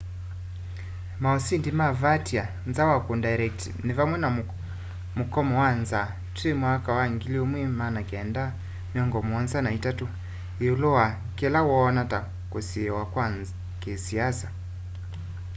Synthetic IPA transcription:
maɔsindimavatia | nzawakundaiɾɛk̚tinivamwɛna | mukɔmɔwanza | tɛmwakawaŋɡiliɔmwimanakɛnda | miɔŋɡɔmɔnzanaitatu | ulɔa | kɛlawɔːnata | kusiɛwakwanz | kesiasa

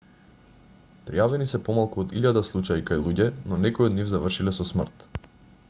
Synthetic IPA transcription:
pɾijavɛnisɛpɔmalˠkuod̪iʎad̪aslˠut͡ʃaikajlˠuɟɛnɔnɛkojod̪nivzavr̩ʃilɛsɔsmr̩t̪

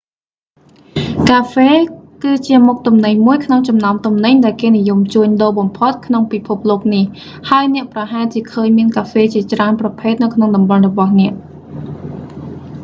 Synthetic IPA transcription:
kaːfeːkɨːt͡ɕiəmuk̚t̪umnɨɲmuəjkʰnoŋt͡ɕɑmnaɔmt̪umnɨɲɗaɛlkeːnijumt͡ɕuəɲɗoːɓɑmpʰot̪̚kʰnoŋpipʰup̚loːk̚nih | haəjnɛ̆əʔprɑɦaɛlt͡ɕiəkʰəːɲmiənkaːfeːt͡ɕiət͡ɕraənprɑpʰeːt̪̚nɨwkʰnoŋɗɑmɓɑnrɔɓɑhnɛ̆əʔ

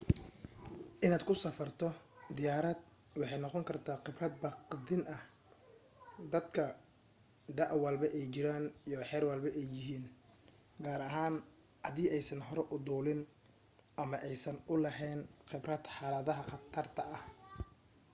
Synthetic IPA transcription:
ʔɪnaːd̪kʰʊsɐfɐrt̪ʰɔd̪ɪjaːɾɐd̪̚ | wɑħɑjnɔqɔŋkʰɐrt̪ʰaːqɪbrɐd̪̚bɑqd̪ɪnɐh | d̪ɐd̪kʰɐ | d̪ɐʔwɐlbɐʔɛjt͡ʃɪɾaːnijɔħɛːrwɑlbɐʔɛjːɪɦiːn | ɡaːɾɐɦaːn | ʔɐðiːɛjsɐnɦɔɾɛʔʊd̪uːlɪn | ʔɐmɐʔɛjsɐnʊlɐɦɛːnqɪbrɐd̪ħɑːlɐðɐɦɐqɐt̪ʰɐrt̪ʰɐɐh

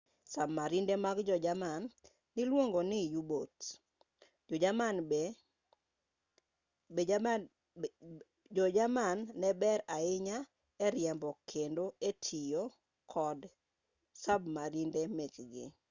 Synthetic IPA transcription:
sabmaɾindemaɡd͡ʒɔd͡ʒamanː | ɪlwoŋɡonɪjubot | d͡ʒɔd͡ʒaman | d͡ʒɔd͡ʒamanːɛbɛɾaɪɲa | ɛɾjɛmbɔkʰendoetʰijo | kʰɔd | sabmaɾindemekɡɪ̰

